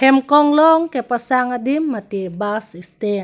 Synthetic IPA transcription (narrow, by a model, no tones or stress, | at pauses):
hɛmkɔŋlɔŋkɛpasaŋadimːat̪ibasist̪ɛn